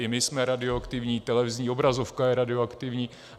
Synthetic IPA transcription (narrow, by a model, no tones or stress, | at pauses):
ɪmɪsmɛɾadɪoakt̪ɪvɲiːt̪ɛlɛvɪzɲiːobɾazo̞fkajɛɾadɪoakt̪ɪvɲiː